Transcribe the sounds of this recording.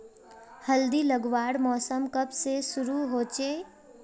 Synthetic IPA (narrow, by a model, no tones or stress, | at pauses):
həld̪iləɡwaːɽmɔːsəmkəbsesʊɾuɦoːt͡ʃeː